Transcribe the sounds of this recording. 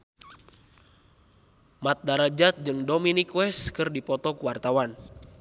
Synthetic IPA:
mat̪̚daɾad͡ʒat̪̚d͡ʒɨŋdominikwɛskɨrdipɔt̪ɔkuwart̪awan

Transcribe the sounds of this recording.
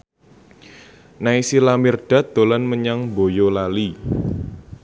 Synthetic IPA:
naisilamirɖ̥a̤t̪̚d̪̥o̤lanməɲaŋbojolali

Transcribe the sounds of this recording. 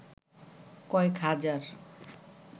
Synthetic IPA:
kɔekɦad͡ʑaɾ

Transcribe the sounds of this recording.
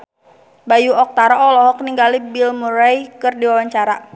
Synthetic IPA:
bajuɔk̚t̪aɾɔʔɔlɔɦɔkniŋɡalibilmuɾajkɨrdiwawaɲt͡ʃaɾa

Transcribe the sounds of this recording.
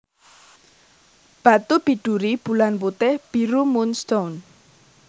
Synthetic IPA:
b̥a̤t̪ub̥i̤ɖ̥ṳɾib̥ṳlanput̪ɪhb̥iɾumunst̪on

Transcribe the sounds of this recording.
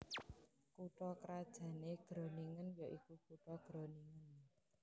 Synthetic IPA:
kuʈɔkəɾad̥ʒ̥ä̤neɡ̥ɾɔniŋənjɔʔikukuʈɔɡ̥ɾoniŋən

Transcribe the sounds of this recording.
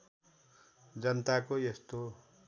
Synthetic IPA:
d͡zʌnt̪akojest̪o

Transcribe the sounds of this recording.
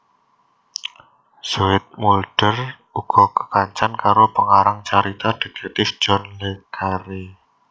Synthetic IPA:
suɪt̪̚mulɖ̥ər | uɡ̥ɔkə̥kaɲt͡ʃankaɾopəŋaɾaŋt͡ʃaɾit̪ad̥e̤kɛk̚t̪ɪfd͡ʒ̥ɔnlekaɾi

